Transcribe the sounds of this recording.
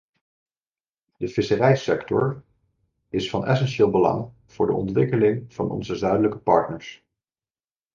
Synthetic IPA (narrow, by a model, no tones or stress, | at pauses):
d̥əv̥ɪsərɛjsɛktɔ̰ɹ | ɪsfɑnɛsɛnʃɪːlˠbəlɑ̰ŋ | v̥ʊːɹdə̰ʔɔ̰ntʋɪkəlɪŋv̥ɑnɔ̰nzəzœɥdələkəpɑ̰ɹtnəɹs